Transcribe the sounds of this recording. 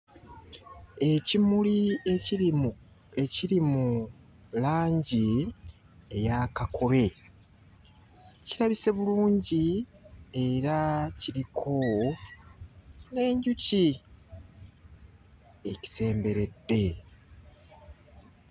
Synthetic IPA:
ecimuli | eciɾimu | laːɲɟi | ejakakʰo̞βe̞ | ciɾaβise̞βuluːɲɟi | e̞ɾaciɾikʰo | ne̞ːɲɟuci | eci̥se̞ːmbe̞ɾe̞dːe̞

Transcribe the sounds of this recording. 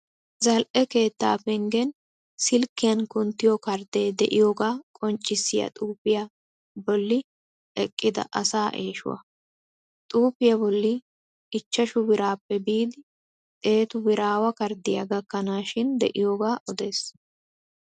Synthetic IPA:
zɐlʔɛke̞ːt̪ːa̰ːpɛŋɡɛn | sɪlkːɪjɐnkʊnt̪ːɪjɔkɐɾd̪eːd̪ɛ̰ʔɪjoːɡaːkʼɔnt͡ʃʼːɪsːɪjɐ̰t̪ʼuːpɪjɐ | bɔlːɪ | ɛkʼːɪd̪ɐ̰ʔɐsaːʔḛːʃʊ̰wɐ̰ | t̪ʼuːpːɪjɐbɔlːɪ | ɪt͡ʃːɐʃʊbɪɾaːpːɛbiːd̪ɪ | t̪ʼe̞ːt̪ʊbɪɾaːwɐkɐɾd̪ɪjɐ̰ɡɐkːɐnaːʃɪnd̪ɛ̰ʔɪjoːɡaːʔɔd̪e̞ːs

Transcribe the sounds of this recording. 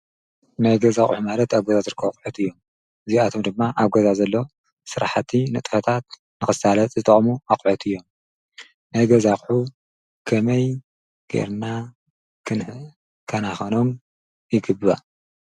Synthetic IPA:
najɡɐzaχʼħumalɐt̪aβɡozazɨɾɨkʰːɐbokʼħut̪ɨjːo̞m | ɨziat̪ʰo̞md̪ɨmːaʔaβɡɐzazɐlːo̞ | sɨɾaħt̪ʰinɨt̪ʼfɐt̪ʰat̪̚ | nɨxɨsalɐt͡s̪ʼzɨt̪ʼɐχʼmuaχʼʕut̪ʰɨjːo̞m | najɡɐzaχʼħu | kʰɐmɐj | ɡ̥ḛɾna | kʰɨn | kʰɐnaxɐnom | jɪɡɨbɨβa̰

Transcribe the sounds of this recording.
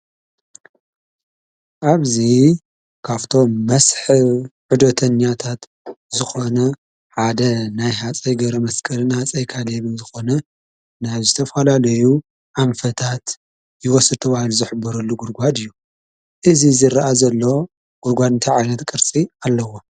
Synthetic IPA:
ʔaβzi | kʰaβt̪ʰo̞mːɐsħɨβʕud̪ot̪ʰɐɲːat̪ʰat̪ | zɨxo̞nɐ | ħad̪ɐnajɦat͡sʼɐjɡɐβɾɐmɐskʼɐlnhat͡sʼɐjkʰaleβɨzɨxo̞nɐ | naβzɨt̪ʰɐfɐlalɐju | ʔamfɐt̪ʰat̪ | jɪwɔsɨd̪̚t̪ʰɐβahaluzɨħɨbːɐɾɐlːuɡuɾɡʷad̪ɨjːu | ʔɨzizɨɾɐʔazɐlːo̞ | ɡ̥uɾɡʷad̪nt̪ʰiʕajnɐt̪kʼɨɾt͡sʼialːɐwo

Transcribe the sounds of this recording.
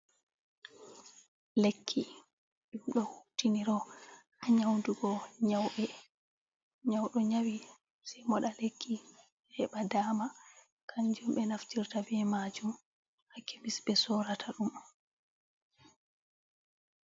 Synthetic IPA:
lekʰːi | ɗumɗɔhutːiniɾɔʔaɲawnduɡɔɲawɓɛ | ɲawɗɔɲawi | sɛmɔɗalekʰːi | hɛɓadaːma | kʰand͡ʒumɓɛnaftiɾtabɛmad͡ʒum | hakʰːɛmisbɛsɔɾatʰaɗum

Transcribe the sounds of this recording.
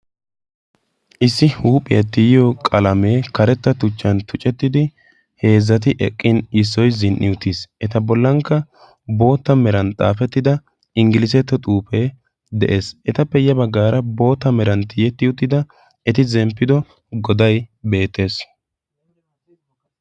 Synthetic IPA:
ʔɪsːɪhuːpʼɪjɐt̪ːɪjɪjɔkʼɐlɐme̞ːkɐɾɛt̪ːɐt̪ʊt͡ʃːɐnt̪ʊt͡ʃʼɛt̪ːɪd̪ɪ | he̞ːzːɐt̪̬ɪʔɛ̰kʼːɪnɪsːɔjzɪnʔɪ̰jʊt̪ːisʔɛt̪ɐbɔlːɐŋkːɐ | bo̞ːt̪ːɐmɛɾɐnt̪ʼa̰ːfɛt̪ːɪd̪ɐ | ɪŋɡɪlɪs̬ɛt̪ːɔt̪ʼuːpe̞ː | d̪ɛʔe̞ːsʔɛt̪ɐpːɛɪjɐbɐɡːaːɾɐbo̞ːt̪ːɐmɛɾɐnt̪ɪjɛt̪ːɪʊt̪ːɪd̪ɐ | ɛt̪ɪzɛmpːɪd̪ɔ | ɡɔd̪ɐjbe̞ːt̪ːe̞ːs

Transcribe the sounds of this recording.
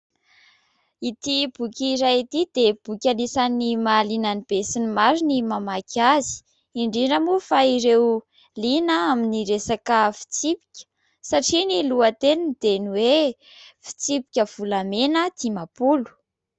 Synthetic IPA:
it̪ib̥ukʲiɾajit̪id̪eb̥ukʲanisanimalinanib̥esinimaɾinimamakʰazi̥ | iɳɖ͡ʐiɖ͡ʐəmufaiɾew | linəaminiɾesakəfi̥t͡sipi̥kʲə̥ | saʈ͡ʂiniluət̪enind̪̥eniwe | fi̥t͡sipi̥kʲəv̥ulamenət̪imapulu̥

